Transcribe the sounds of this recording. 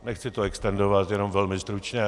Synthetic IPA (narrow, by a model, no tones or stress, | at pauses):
nɛxt͡sɪt̪oɛkst̪ɛndovat̪jɛno̞mvɛlmɪst̪ɾut͡ʃɲɛ